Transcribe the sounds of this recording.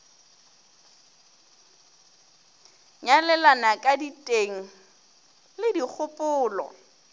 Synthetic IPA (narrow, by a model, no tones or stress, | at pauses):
ɲalɛlanakʼaditʼeŋ̩ | lɪdik͡xʰʊpʼʊːlɔ̰